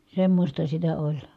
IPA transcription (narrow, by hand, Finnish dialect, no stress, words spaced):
semːosʲtɑ sitæ olʲ